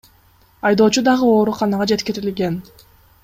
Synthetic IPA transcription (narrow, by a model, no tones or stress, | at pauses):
ɑjd̪o̞ːt͡ʃud̪ɑʁɯo̞ːɾuqɑnɑʁɑd͡ʒe̞t̪kiɾilɡe̞n